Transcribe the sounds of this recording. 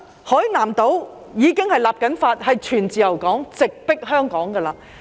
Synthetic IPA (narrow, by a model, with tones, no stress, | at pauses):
hɔː˨˥jnaː˨˩mt̪o˨˥w | jiː˨˥kɪ˥ŋhɐ˨jlaː˨p̚kɐ˨˥nfaː˧t̚hɐ˨jt͡ʃʰyː˨˩nt͡siː˨jɐ˨˩wkɔː˨˥ŋt͡sɪ˨k̚pɪ˥k̚ɦœː˥ŋkɔː˨˥ŋkɐː˧laː˧